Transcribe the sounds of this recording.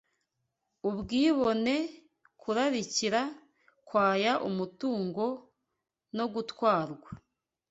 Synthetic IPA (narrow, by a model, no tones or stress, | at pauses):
uβɡiːβo̞ne̞ | kʰuɾaɾiciɾa | kwaːjaʔumutuːŋɡo̞ | no̞ɡutwaːɾɡwa